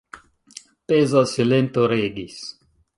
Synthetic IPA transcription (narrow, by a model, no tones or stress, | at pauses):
pezasilent̪oɾeɡis